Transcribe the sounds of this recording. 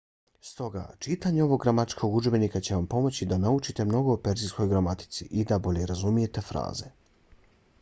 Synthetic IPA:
st̪o̞ɡa̰ːt͡ʃit̪aːɲeo̞ʋo̞ɡːɾamat̪t͡ʃkʰo̞ɡud͡ʒbe̞nikat͡ɕe̞ʋampo̞mo̞t͡ɕid̪anaut͡ʃit̪e̞mno̞ɡo̞upe̞ɾzisko̞jɡɾamat̪i̥t̪siʔid̪abo̞ʎe̞ɾazumije̞t̪e̞fɾa̰ːze̞

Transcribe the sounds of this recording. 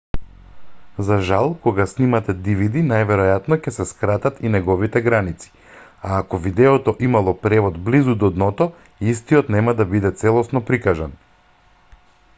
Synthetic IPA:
zaʒalˠkɔɡasnimat̪ɛd̪ivid̪inajvɛɾɔjat̪nɔcɛsɛskɾat̪at̪inɛɡɔvit̪ɛɡɾanit̪si̥ | aːkɔvid̪ɛɔt̪ɔʔimalˠɔpɾɛvɔd̪blizud̪ɔd̪nɔt̪ɔ | ist̪iɔt̪nɛmad̪abid̪ɛt̪sɛlˠɔsnɔpɾikaʒan

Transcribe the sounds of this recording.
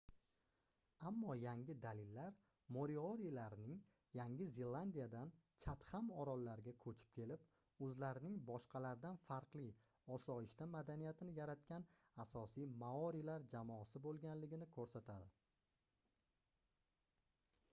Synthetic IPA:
amːɒjaŋʲɪd̪alɪlːaɾ | moɾioɾijlaɾnɪŋ | jaŋʲɪzelˠːand̪ijad̪ant͡ʃʰat̪hamɒɾɒlˠːaɾɡʲakʰɵt͡ʃʰɪ̥p̚kʲʰe̞lɪp̚ | ɵzlaɾɪnɪŋbɒʃqʰɑlaɾd̪anfaɾqlˠi | ɒsɒɪʃt̪amad̪anijat̪ʰɪnɪjaɾat̪kʲanasɒsijmaɒɾilaɾd͡ʒamɒsɪbolˠɡʲanlɪɡʲɪnɪkʰɵɾsat̪ʰad̪ɪ

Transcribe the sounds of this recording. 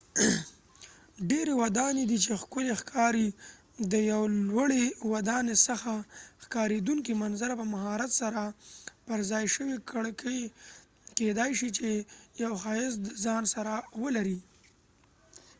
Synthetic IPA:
ɖeɾewad̪ɑned̪it͡ʃexkʊlexkʰɑɾi | d̪əjawlwaɽewad̪ɑnesəxaxkɑɾed̪uŋkimanzaɾapəmaɦɑɾat̪saɾapəɾzɑjʃəwikɽkʰəj | ked̪ajʃit͡ʃejawxɑɪsd̪əzɑnsaɾawəlaɾi

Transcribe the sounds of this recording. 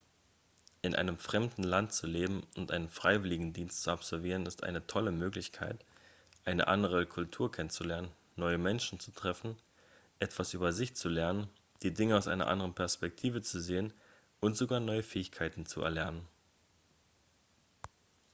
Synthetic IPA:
ʔɪnʔa̰ɪnəmfʁ̥ɛmdn̩lant̚t͡suleːbm̩ʊntʔa̰ɪnənfʁ̥aɪvɪlɪɡŋ̩diːnstt͡suapz̥ɔɐviːʁ̞ənɪstʔa̰ɪnətʰɔləmøːklɪçkʰa̰ɪt | ʔaɪnə̰ʔa̰ndəʁ̞əkʰʊltʰuːɐkʰɛnənt͡sulɛɐnənːɔʏəmɛnʃn̩t͡su̥tʁ̥ɛfn̩ | ʔɛtv̥asʔyːbɐzɪçt͡sulɛɐnən | d̥iːdɪŋəaʊsʔa̰ɪnɐ̰ʔa̰ndəʁənpʰɛɐspɛk̚tʰiːvət͡suzeːən | ʔʊntz̥oɡaːɐnɔʏəfɛːɪçkʰaɪtn̩t͡sṵʔɛ̰ɐlɛɐnən

